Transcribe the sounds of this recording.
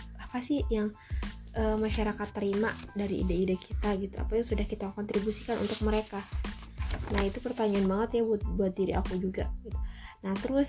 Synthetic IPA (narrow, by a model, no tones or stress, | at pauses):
apasɪhjaŋʔəmaʃaɾakat̪ːəɾimadaɾiḭdaidakʰit̪aɡit̪ua̰pajaŋsudahkit̪akɔnt̪ɾibusi̥kanʔṵnt̪ʊk̚məɾeka | nahit̪upərt̪aɲaanbaŋət̪jabut̪̚buat̪̚diɾiʔakud͡ʒuɡaɡit̪u̥naht̪əɾʊs